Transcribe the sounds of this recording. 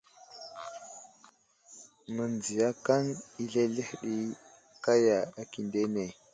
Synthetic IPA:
mə˨nd͡zi˨ja˦ka˦ŋi˦ɮe˦ɮe˦hɗi˦ | ka˦ja˨a˨ki˨nde˦ne˨

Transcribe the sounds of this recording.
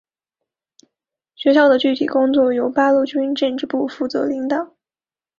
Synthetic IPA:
ɕɥɛ˧˥ɕ̬jɑ˥˩ʊd̪ə˩t͡ɕy˥˩t̪ʰi˨˩kʊ˥ŋt͡swɔ˥˩jo˧˥ʊpa˥lu˥˩t͡ɕy˥nʈ͡ʂə˥˧nʈ͡ʂɻ̩˥˧pu˥˧fu˥˩t͡sɤ̰˧˥li˧˥ŋt̪ɑ˨˩˦

